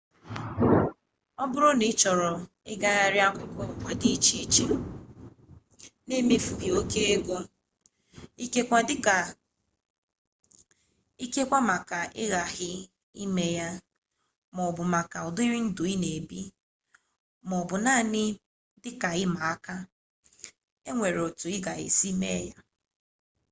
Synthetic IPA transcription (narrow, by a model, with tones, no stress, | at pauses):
ɔ˦bʊ˦ɾʊ˦ni˦t͡ʃɔ˨ɾɔ˨ | ɪ̰˦ɡa˦ɣa˦ɾɪ˦a˦kʷʊ˦kɔ˦˨kʷa˨di˦i˦t͡ʃi˦t͡ʃe˦ | ne˦me˦fu˨ɦi˨o˦ke˦e˦ɡʷo˦ | i˦ke˦kʷa˦dɪ˦ka˨ | i˦ke˦kʷa˦ma˨ka˨ʔɪ̰˦ɣa˨ɦɪ˦ | i˦me˦ja˦ | mɔ˨bʊ˨ma˨ka˨ɔ˨dʊ˦i˦ɾɪ˦n̩˦dʊ˨i˦ne˨bi˦ | mɔ˨bʊ˨naː˦˨nɪ˦ | dɪ˦ka˨ɪ˦ma˨a˦ka˦ | e˦ŋʷe˨ɾo˨tʊ˨ɪ˦ɡa˨ḛ˨si˦me˦ja˦